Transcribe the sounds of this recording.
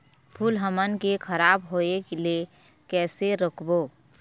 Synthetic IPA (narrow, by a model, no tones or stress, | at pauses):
pʰuːlɦəmənkekʰəɾaːbɦoːekelie | kɛːseɾəkʰboː